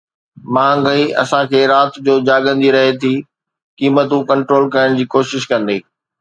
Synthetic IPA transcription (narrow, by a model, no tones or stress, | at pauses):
mãːŋɡəiʔɐ̰sãkʰeːɾaːt̪d͡ʑoːd͡ʑaːɠə̃nd̪ʱiɾɐɦet̪ʰiː | kiːmət̪ũkɐ̃ɳʈɾoːlkɐjəɽ̃d͡ʑiːkoːʃɪʃkɐ̃nd̪eː